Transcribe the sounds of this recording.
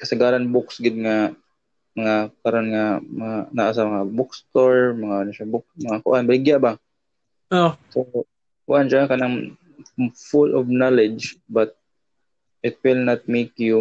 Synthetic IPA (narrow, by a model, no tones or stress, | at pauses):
kɐsaɡaːɾanbʊksɡɪd̪̚ŋa | mɐŋakaɾonŋamaanaʔas̬amɐŋabʊkst̪oɹmɐŋaʔonaʃabʊkmɐŋakʊʔanbalɪɡjaʔba | oso | kʊʔanʃakanaŋ | fʊlʔɔvnalɛd͡ʒbat̪̚ | ɪt̪̚wɪlnat̪̚mekju